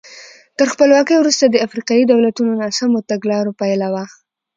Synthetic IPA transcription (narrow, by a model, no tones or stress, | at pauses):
t̪əɾxpəlwɑkəjwɾust̪ad̪əafɾiqɑjid̪awlat̪unonasamot̪aɡlɑɾopajlawa